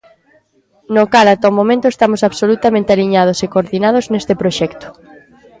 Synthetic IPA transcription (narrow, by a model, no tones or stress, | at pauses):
nokalat̪ɔmõmẽnt̪ʊest̪amosaβsolut̪amẽnt̪ealiɲað̞osekooɾðinað̞oznest̪ɪpɾoʃɛkt̪ʊ̥